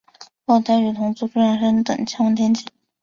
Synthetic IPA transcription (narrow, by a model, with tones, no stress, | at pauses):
wo˥˩t̪ʰa˥ɪy˨˩t̪ʰʊ˧˥ŋt͡su˥˩ʈ͡ʂu˥ɻa˥˩nʂə˥nt̪ɤ̰˨˩ŋt͡ɕʰjɑ˥˧˥t̪ʰjɛ˥nt͡ɕi˨˩˦